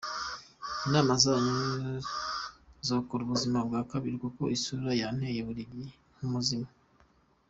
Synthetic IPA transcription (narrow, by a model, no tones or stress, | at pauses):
inaːmazaɲi | zokuɾuβuzimabɡaːkaβiɾikuko̰ʔisuɾajanejeβuɾiɡi | mumuzima